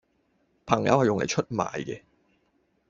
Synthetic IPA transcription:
pʰɐ˨˩ŋjɐ̰˨˥whɐ˨jʊ˨ŋlḛ˨˩jt͡ʃʰɵ˦˥t̚ma̰ː˨jkɛ̰˧

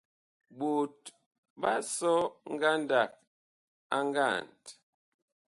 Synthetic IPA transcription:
bo˨t̚ | ba˦sɔ˦ŋ̩˦ɡa˦nda˨k̚ | a˦ŋ˦ɡa˦˨nt

